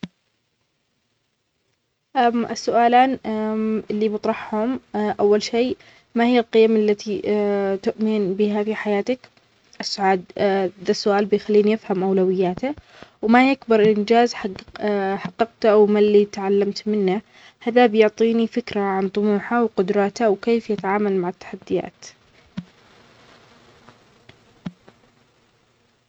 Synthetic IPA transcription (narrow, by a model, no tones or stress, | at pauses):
ʔamʔɪsːʊʔaːlaːn | ɪlːibɨt̪ˤɾˤɑħhʊmʔawːalʃeː | mahɪjːalqɪjamʔalːat̪it̪ʊʔmɪnbɪɦafiħajaːt̪ak | ʔɪsːʊʕaːd̪̚ðasːʊʔaːlbɪjxalːiːnjɪfhamʔawlawɪjːaːt̪a | wmajakbɑɾˤʔɪnd͡ʒaːzħ | ħɑqːɑqt̪awmalːit̪ʕalːamt̪mɪnːa | haðabjʊʕt̪ˤiːnifɪkɾaʕant̪ˤʊmuːħawqʊd̪ɾˤɑːt̪awkeːfjɪt̪aʕaːmalmaʕɪt̪ːḁħad̪ːɪja̰ːt̪